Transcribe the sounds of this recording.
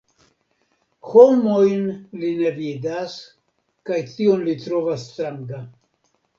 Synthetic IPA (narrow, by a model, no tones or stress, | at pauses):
homojnlinevidas | kajtionlit̪ɾovasːt̪ɾaŋɡa